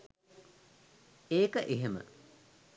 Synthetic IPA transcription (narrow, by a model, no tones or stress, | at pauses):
eːkəʔeɦemə̰